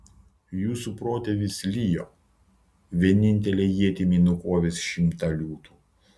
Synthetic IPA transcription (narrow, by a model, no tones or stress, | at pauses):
juːsupɾoːt̪ʲɛʋʲɪslʲijoː | ʋʲiɛnʲɪnʲt̪ʲɛlʲeːjiɛt̪ʲimʲiːnʊkoːʋʲesʃʲɪmt̪ɐlʲuːt̪uː